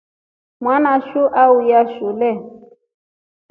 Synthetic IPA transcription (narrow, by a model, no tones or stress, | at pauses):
mwanaʃuʔaujaʃulɛ